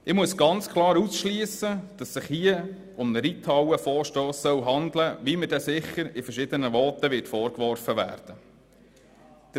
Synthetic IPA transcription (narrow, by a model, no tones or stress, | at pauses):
ɪmuəsɡ̥ɑnt͡skʰlˠɑːɾusʃliːəsəd̥ɑsːɪχhiə | ʊmnəɾitʰɑwəfɔːɾʃtoːsːœwɦɑnd̪ləʋiməd̥ɛsɪχəɾifəɾʃɪd̥̪ənəʋɔːt̪əʋɪtfɔːɾkʋɔɾfəʋæ̰ːɾd̥ə | d̪̥